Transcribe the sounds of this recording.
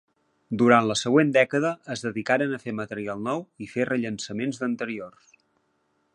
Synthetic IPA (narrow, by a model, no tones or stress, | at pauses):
d̪uɾant̪ləsəɣwend̪ɛkəðəːzðəðikaɾənəfemət̪əɾialˠnɔwiferəʎənsəmenzðənt̪əɾior